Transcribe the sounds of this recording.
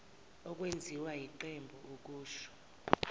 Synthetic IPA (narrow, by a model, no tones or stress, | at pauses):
ɔk̬ʼwend͡zʱiwajiǃembʱuuk̬ʼuːʃɔ̥